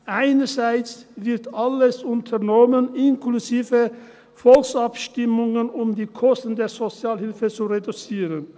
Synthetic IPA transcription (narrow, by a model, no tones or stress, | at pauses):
ʔaɪnɐzaɪt͡svɪɐtʔaləsʊntʰɐnɔmənɪnkluziːvə | fɔlksapʃtɪmʊŋənʊmdiːkʰɔstn̩deːɐzot͡sjaːlhɪlfət͡suʁedut͡siːʁən